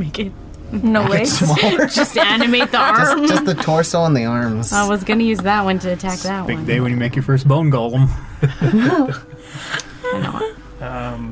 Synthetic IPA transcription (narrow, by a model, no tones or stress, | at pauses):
meɪkɪt̚ | noʊweɪmɔd͡ʒʌstænɨmeɪt̪̚ðiɑmd͡ʒʌstðɨtʰɔɹsoə̃nðiɑɹmz̥aɪwʌzɡʌnɨjʉzðət̚wʌ̃ntʰɨːtʰæk̚ðɨt̚wbɪʌ̃ɡ̚deɪwɨ̃njɨmeɪkjə˞fɜ˞sb̥õʊ̃nɡoʊlˠə̃m | ɨno̰ʊwʌ̰t̚ | ʌ̃m